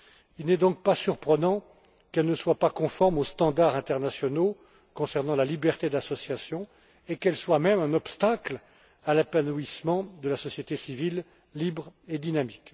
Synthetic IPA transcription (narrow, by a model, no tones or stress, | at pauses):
ilnɛd̪ɔ̃k̚pasyʁpχənɑ̃ | kɛlnəswapakɔ̃fɔʁmost̪ɑ̃d̪aʁɛ̃t̪ɛʁnasjɔno | kɔ̃sɛʁnɑ̃lalibɛʁt̪ed̪asɔsjasjɔ̃ | ekɛlswamɛmɛ̃nɔpst̪akl | alepanuismɑ̃d̪əlasɔsjet̪esivilː | ibʁed̪inamik